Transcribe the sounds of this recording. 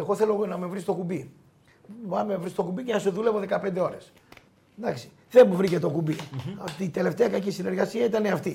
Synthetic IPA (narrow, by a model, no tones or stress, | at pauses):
eɣo̞θe̞lo̞nɐmevɾist̪o̞kubi | pɐmmevɾist̪o̞kubicenɐsuðule̞vo̞ðe̞kɐpend̪e̞o̞ɾe̞s | d̪ɐksi̥ | ðemuvɾice̞t̪okubiɐft̪iːt̪e̞le̞ft̪eɐkɐcisine̞ɾɣɐsiɐit̪ɐneɐft̪i